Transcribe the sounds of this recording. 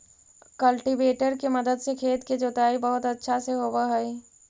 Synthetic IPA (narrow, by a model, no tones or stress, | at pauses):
kɐlʈiʋeːʈəɾkemɐd̪əd̪sekʰeːt̪ked͡ʒoːt̪aːibɐɦʊt̪ɐtːʃʰaseɦoːbaɦɐi